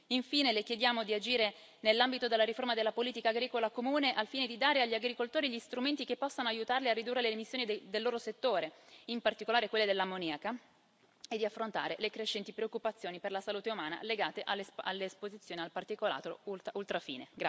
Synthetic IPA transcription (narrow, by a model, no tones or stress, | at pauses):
iɱfiːnelekjed̪jaːmod̪iad͡ʒiːɾe | nelːambit̪od̪elːaɾiformad̪elːapoliːt̪ikaːɡɾiːkolakomuːneʔalfiːned̪id̪aːɾeaʎːiaɡɾikolt̪oːɾiʎist̪ɾument̪ikepːɔsːanoajut̪arliarːid̪urːeleːmisːjoːnid̪d̪elːoːɾoset̪ːoːɾeimpart̪ikolaːɾekwelːed̪elːamoniaka | ed̪ːiafːɾont̪a̰ːɾelekɾeʃːɛnt̪ipɾeokːupat̪sːjoːniperlasaluːt̪eumaːna̰leɡaːt̪eʔalsa̰lːeːspozit̪sːjoːnialpart̪ikola̰ːt̪ɾo̰ulault̪ɾafḭːnḛɡa